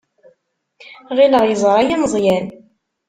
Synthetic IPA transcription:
ʁiləʁjəzˤɾˤajænzˤjæn

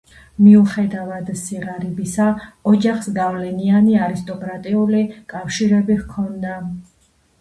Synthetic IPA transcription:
miuχɛd̪avad̪siʁaɾibisaɔd͡ʒaχsɡavlɛnianiaɾist̪ʼɔkʼɾat̪ʼiulikʼafʃiɾɛbihkʰɔnd̪a

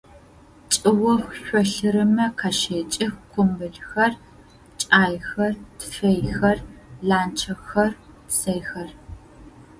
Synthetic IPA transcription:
t͡ʃʼɨwɔxʷɕʷɔɬɨɾɨmɐqʰaːʃeːt͡ʃʼɪxkʷʊmbɨɮxɐr | t͡ʃʼaːjxɐrtfɐjxɐrɮaːnt͡ʃʰɐxɐr | tsɐjxɐr

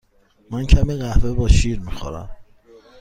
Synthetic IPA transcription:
mæncʰæmiɢæhvebɒːʃiːɾmixo̰ɾæ̰m

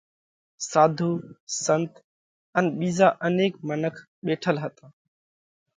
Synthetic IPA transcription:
saːd̪ʱuːsənt̪ | ənɓiːzaːʔəneːkmənəkʰ | ɓeːʈʰəlɦət̪ãː

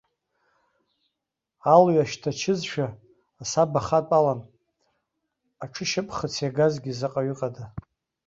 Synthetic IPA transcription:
alɥaʃtʰat͡ʃʰɪzʃᶣaː | sabaχatʼalan | aʈ͡ʂʰɨʃɪpʼχət͡sʰjaɡazɡʲizɨqʼaɥʏqʼada

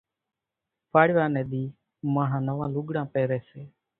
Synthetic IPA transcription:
pʰaːɽɪʋãːnẽːɗ̪iː | mãːɦãːnəʋãːluɡɽãːpɛːɾɛːseː

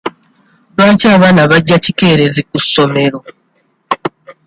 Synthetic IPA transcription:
βaːcaːβaːnaβaɟːacike̞ːɾe̞zikusːo̞me̞ɾo̞

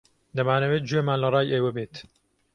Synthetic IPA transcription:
d̪ɐmaːnɐweːt̪̚d͡ʒujemaːnlɐrˤɑːjʔeːwɛbeːt̪

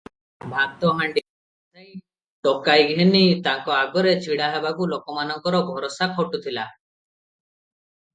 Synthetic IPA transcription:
bʱaɡ̚t̪ɔɦaɳɖi | t̪ej | ʈɔkajɡʱenit̪aŋkɔaɡɔɾet͡ʃʰiɽaɦebakulokɔmanɔŋkɔɾɔɡʱɔɾɔsakʰɔʈut̪ʰila

